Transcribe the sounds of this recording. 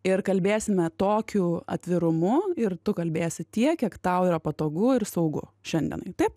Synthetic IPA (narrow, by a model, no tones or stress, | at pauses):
ɪɾkɐlʲbʲeːsʲɪmʲɛt̪oːkʲuːɐ̰t̪ʲʋʲɪɾʊmʊɪɾt̪ʊkɐlʲbʲeːsʲɪt̪ʲiɛkʲiɛkt̪ɐʊiːɾɐpɐt̪oːɡʊɪɾsɐʊɡʊ̰ʃʲɛnd̪ʲḭɛ̰nɐ̰ɪt̪ɐɪp